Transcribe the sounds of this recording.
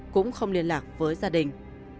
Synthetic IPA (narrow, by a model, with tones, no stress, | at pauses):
kʊ̰˧˥ŋ͡mxə˧wŋ͡mli˧ənlaː˨˩k̚vəː˨˦jzaː˧ɗï˨˩ŋ̟